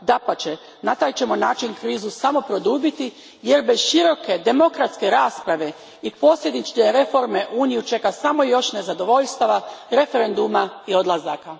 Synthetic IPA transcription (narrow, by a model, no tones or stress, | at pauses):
d̪apat͡ʃe | nat̪aːjt͡ʃe̞monaːt͡ʃinkɾiːzusamo̞pɾo̞d̪uːbit̪i | je̞ɾbezʃiɾo̞ke̞d̪e̞mo̞kɾat̪ske̞ɾaːspɾaʋe̞ | ipo̞ːsʎʲed̪it͡ʃkeɾe̞fo̞ɾme̞ʔuːnijut͡ʃe̞kasamo̞jo̞ʃne̞zad̪o̞ʋo̞ʎst̪aʋaɾe̞feɾe̞nd̪umaio̞d̪lˠazaka